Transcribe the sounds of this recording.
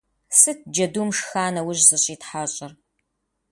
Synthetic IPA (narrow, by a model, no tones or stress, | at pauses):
sɨt̚ʰd͡ʒɐdumʂxaːnɐwʊʑzɨɕʼiːtħaɕʼɪr